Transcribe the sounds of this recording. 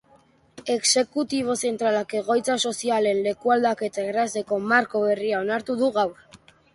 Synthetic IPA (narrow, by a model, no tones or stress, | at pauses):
e̞kse̞kut̪iβ̞o̞se̞nt̪ɾalake̞ɣ̞o̞jt͡saso̞siale̞nle̞kuald̪ake̞t̪aeraseko̞maɾko̞βe̞riao̞naɾt̪uðuɣawɾ